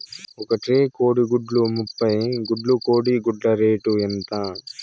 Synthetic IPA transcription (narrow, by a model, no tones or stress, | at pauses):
ɔkɐʈɾeːkoːɽiɡuɖlumupːɐjɡuɖlukoːɽiɡuɖlɐɾeːʈuent̪ɐ